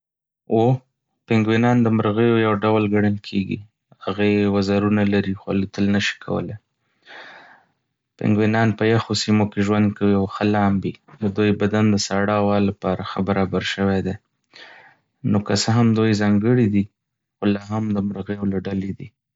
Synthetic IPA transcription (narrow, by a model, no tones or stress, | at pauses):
o | pɪŋɡwinɑnd̪əmɾɣəjojawɖawlɡaɽəlkʰeɡḭ | haɣajewazɑɾunalaɾixoa̰lut̪əlnəʃi̥kʰa̰wə̰le | pɪ̰ŋɡwinɑnpəjaxosimokeʒwand̪̚kawiawxəlɑmbid̪əd̪ojbad̪and̪əsaɽɑwɑlːapɑɾaxəbaɾɑbaɾʃəwed̪e | nokasəɦamd̪ojzɑŋɡəɽid̪i | xolɑɦamd̪əməɾɣəjolaɖaled̪i